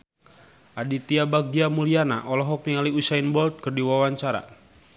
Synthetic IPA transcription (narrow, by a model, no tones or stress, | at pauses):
ʔadit̪iabaɡiamuliana̰ʔɔlɔɦɔk̚niŋaliusainbɔlt̪̚kɨrdiwawaɲt͡ʃaɾa̰